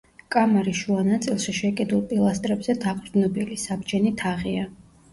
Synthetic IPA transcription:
kʼamaɾiʃuanat̪sʼilˠʃiʃɛkʼid̪ulˠpʼilˠast̪ʼɾɛbzɛd̪aqʼɾd̪nɔbilisabd͡ʒɛnit̪ʰaʁia

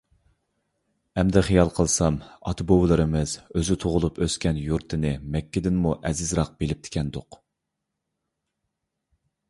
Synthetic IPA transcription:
ɛmd̪ɛχijɑlˠqʰəlˠsɑmɑ̰t̪ʰɨbowlˠɨɾɨmɨz̥øzɪt̪ʰoʁʊlˠupʰøskʲɛnjuɾt̪ʰːɨnɪmɛkʲːɪd̪ɪnmuʔɛzɪzɾɑq̚b̥elɪp̚t̪ʰɪ̥kʲʰɛnd̪ʊq

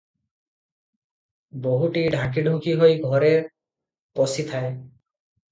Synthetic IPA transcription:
boɦuʈiɖʱãkiɖʱuŋkiɦojɡʱɔɾeɾ | pɔsit̪ʰae

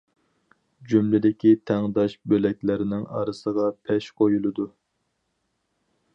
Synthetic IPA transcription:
d͡ʒumlɪd̪ɪkʲit̪ʰæŋd̪ɑʃbølɛk̚ʲlɪɾɪnɪŋɑ̰ɾɨsəʁɑpʰɛʃqʰojulˠɨd̪u

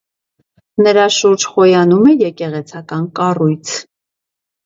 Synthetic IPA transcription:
nəɾɑʃuɾd͡ʒχɔjɑnumɛjɛkɛʁɛt͡sʰɑkɑnkɑrujt͡sʰ

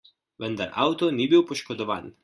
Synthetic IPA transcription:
ʋənd̪aɾʔa̰wt̪ɔnibiwpɔʃkɔd̪ɔʋa̰ːn

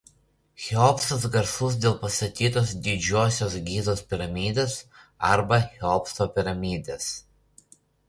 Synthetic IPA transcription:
xʲɛɔpst̪ɐs̬ɡɐɾsʊs̬d̪ʲeːlˠpɐst̪ɐt̪ʲiːt̪oːsd̪ʲɪd͡ʒʲoːsʲoːs̬ɡʲiːzoːspʲɪɾɐmʲiːd̪ʲeːs | ɐɾbɐxʲɛɔpst̪oːpʲɪɾɐmʲiːd̪ʲeːs

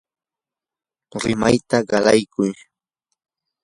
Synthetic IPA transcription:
ɾɪmajt̪aɢɑlajkʊj

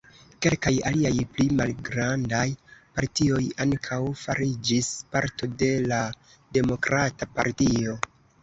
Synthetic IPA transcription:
ke̞lkajaliajplimalɡɾandajpaɾtio̞jaŋkʰawfaɾid͡ʒispaɾto̞de̞la | de̞mo̞kɾatapa̰ɾtio̞

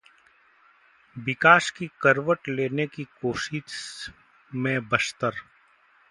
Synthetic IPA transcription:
bɪkaːʃkikəɾʋəʈleːnekikoːʃɪ | mẽbəst̪əɾ

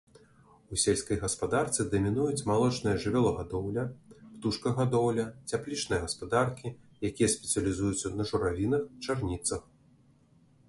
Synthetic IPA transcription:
usʲelʲsʲkɐjɣɐspad̪art̪sɨd̪ɐmʲinujut͡sʲmalˠɔt͡ʂnɨjɐʐɨvʲɛlˠɐɣad̪ɔwlʲɐpt̪uʂkɐɣad̪ɔwlʲɐt͡sʲaplʲit͡ʂnɨjɐɣɐspad̪arkʲi | jakʲijɐsʲpʲɛt̪sɨɐlʲizujut̪sɐnɐʐuɾavʲinɐxt͡ʂarnʲit̪sɐx

